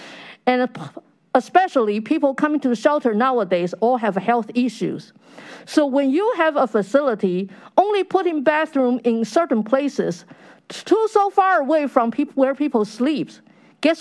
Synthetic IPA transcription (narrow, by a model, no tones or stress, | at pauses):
ɨ̃n | əspɛʃl̩ˠipʰipl̩ˠkʰʌ̃mɪ̃ŋtuʃɛlˠtə˞naʊədeɪzəɨv̥hɛlˠθɪʃʉ̰z̥ | soʊwɨ̃njəɨvəfəsɪlˠəɾiʔõʊ̃nlipʰʊt̚hɨ̃mbæθɹũmɪ̃nsɜ˞ʔn̩pʰl̥eɪsɪz̥tʰusoʊfɑɹəweɪfɹʌ̃mpʰiwə˞pʰipl̩ˠslips | ɡ̥ɛs